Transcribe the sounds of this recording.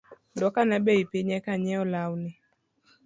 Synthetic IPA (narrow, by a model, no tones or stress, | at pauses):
dɔkanɛbɛipeɲɛkaɲɛɔlawnɪ